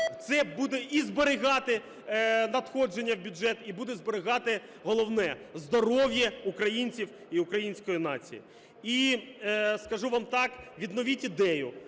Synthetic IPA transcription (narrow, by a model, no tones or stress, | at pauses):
t̪sɛbud̪eʔizbeɾɪɦɑt̪ɪ | nɐt̪xɔd͡ʒenʲːɐwbʲʊd͡ʒɛt̪ibud̪ɛzbeɾɪɣɑt̪ɪ | ɦɔlˠɔwnɛzd̪ɔɾɔwjɛukɾɐjinʲt͡sʲiw | iʊkɾɐjinʲsʲkɔjinɑ̰t͡sʲḭjḭ | i | skɐʒuʋɑmt̪ɑkʋʲid̪nɔʋʲitʲid̪ɛjʊ̰